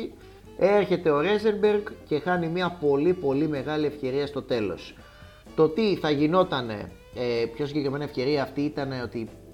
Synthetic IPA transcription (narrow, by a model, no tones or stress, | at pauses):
e̞ɾçe̞t̪e̞o̞ɾe̞zeɾbe̞ɾɡce̞xɐnimiɐpo̞lipo̞lime̞ɣɐlie̞fce̞ɾiɐst̪o̞t̪e̞lo̞̰s | t̪o̞t̪iθɐʝino̞t̪ɐne̞̰ | pço̞siɲɟekɾime̞nɐefce̞ɾiɐːft̪iit̪ɐne̞o̞t̪i